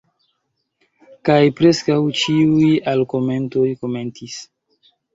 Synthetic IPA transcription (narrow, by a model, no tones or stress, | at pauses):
kajpɾe̞skawt͡ʃiujalko̞me̞nto̞jko̞me̞ntis